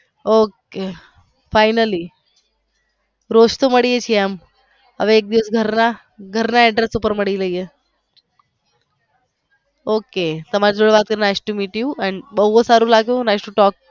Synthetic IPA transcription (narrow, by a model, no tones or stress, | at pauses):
oke | faɪnəli | ɾoʃt̪oməɽijet͡ʃʰieam | ɦə̰ʋeːk̚d̪iʋəsɡʱəɾna | ɡʱəɾnaɛɖɾesupəɾməɽiləije | oket̪əmaɾid͡ʒoɽʋat̪̚kəɾinajsʈumiʈiuɛɳbəɦosaɾũlaɡjũnajsʈũʈɔk̚